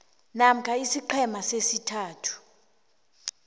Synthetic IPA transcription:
nam̩kʰaisiǃʰɛmasesitʰaːtʰu̥

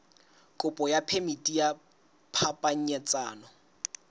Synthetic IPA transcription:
kʼʊpʼɔjapʰemitʼija | pʰapʼaɲ̩ɲɛt͡sʼaːnɔ

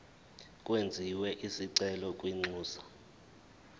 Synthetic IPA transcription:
kʼwend͡zʱiwɛʔisiǀɛlɔkʼwiŋ͡ǀuːsḁ

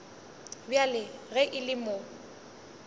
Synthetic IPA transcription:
bjalɪɣɛʔɪlɪmo

